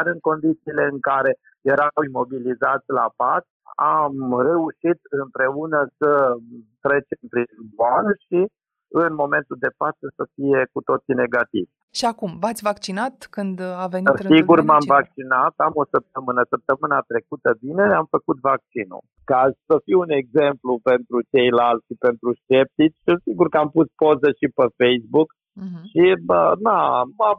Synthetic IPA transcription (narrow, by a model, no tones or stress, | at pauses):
aɾɨŋko̞nd̪it̪siːle̞ɨŋkaɾe̞ | jeɾawimo̞bilizat̪sʲlapat | amre̞uʃit̪̚ɨmpɾe̞unəsət̪ɾe̞t͡ʃempɾizbanʃi | ɨnmo̞me̞nt̪uld̪e̞fat̪səsəfije̞kut̪o̞t̪sine̞ɡat̪ḭvʲ | ʃiakumvat̪sʲvakt͡ʃinat̪kɨnd̪avenisiɡurmamvak̚t͡ʃinat̪amo̞səp̚t̪əmɨnəsəp̚t̪əmɨnat̪ɾe̞kut̪əbine̞amfəkut̪vak̚t͡ʃinṵ | kazsəfijune̞ɡze̞mplupe̞nt̪ɾut͡ʃe̞jlalt̪sʲipe̞nt̪ɾust͡ʃe̞p̚t̪it͡ʃʲːɨsiɡurkəampuspo̞zəʃipəfejsbuk | ʃiənama